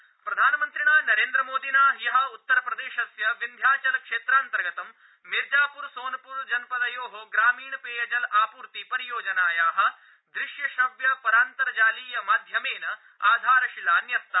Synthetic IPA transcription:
pɾɐd̪ʱaːnɐmɐnt̪ɾiɳaːnɐɾeːnd̪ɾɐmoːd̪inaːɦjɐɦɐ̆ut̪ːɐɾɐpɾɐd̪eːʃɐsjɐʋind̪ʱjaːt͡ʃɐlɐkʂeːt̪ɾaːnt̪ɐɾɡɐt̪ɐm | miɾd͡ʒaːpuɾsoːnɐpuːɾd͡ʒɐnpɐd̪ɐjoːɦoɡɾaːmiːɳɐpeːjɐd͡ʒɐlaːpuːɾt̪ipɐɾijoːd͡ʒɐnaːjaːɦɐ̆ | d̪ɾɪʂjɐʃɐbjɐpɐɾaːnt̪ɐɾɐd͡ʒaːliːjɐmaːd̪ʱjɐmeːnɐ | aːd̪ʱaːɾɐʃilaːnjɐst̪ːɐ

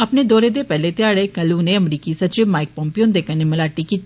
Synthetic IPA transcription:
əpneːd̪ɔːɾeːd̪eːpɛːleːt̪jaːɽeːkəluneːəmɾiːkiːsəɾt͡ʃɪʋmaːɪk̚pɔ̃ːmpɪjoːnd̪eːkəneməlaːʈːiːkiːt̪

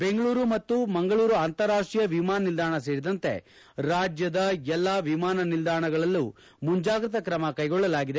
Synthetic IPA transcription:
be̞ŋɡɐɭuːɾumɐt̪ːumɐŋɡɐɭuːɾuaːnt̪ɐɾaːʂʈɾijɐʋimaːnɐnild̪ʱaːɳɐs̬e̞ːɽid̪ɐnt̪e̞̰ | ɾaːd͡ʒjɐd̪ɐɛlːaːʋimaːnɐnild̪ʱaːɳɐɡɐɭɐlːu | muɲd͡ʒaːɡɾɐt̪ɐkɾɐmɐkɐjɡɔɭːɐlaːɡid̪e

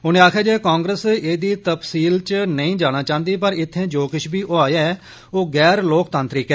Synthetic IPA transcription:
ʊnẽːaːkʰjaːd͡ʒeːkãːŋɡɾəseːd̪iːt̪əpsiːlt͡ʃnəĩːd͡ʒaːɽ̃ãːt͡ʃãːnd̪iːpəɾɪt̪ʰːẽːd͡ʒoːkɪʃʰbiːʔoːaːjaːɛ | oːɡɛːɾloːkt̪ãːnt̪ɾɪkɛː

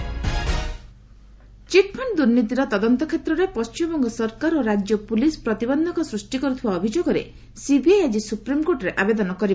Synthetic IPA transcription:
t͡ʃiʈ̚pʰɔɳd̪uɾnit̪̬iɾɔt̪ɔd̪ɔnt̪ɔkʰet̪ɾɔɾepɔst͡ʃimbɔŋɡɔsɔɾkaɾoɾad͡ʒjɔpulispɾɔt̪ibɔnd̪ʱɔŋkɔsɾusʈikɔɾut̪ʰibaɔbʱid͡ʒoɡɔɾḛ | sibiajad͡ʒisupɾimkoɾʈɔɾeʔabed̪ɔnɔkɔɾi

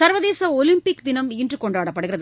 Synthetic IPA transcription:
sɐɾʋɐðeːsɐɔlɪmpɪkd̪ɪnɐmiːɳdrɯkːɔɳɖaːɽɐpːɐɽɯɣɪrɐð

